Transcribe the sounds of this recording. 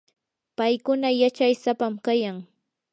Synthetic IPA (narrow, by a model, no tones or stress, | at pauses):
pajkʊnajat͡ʃajsapamkajaŋ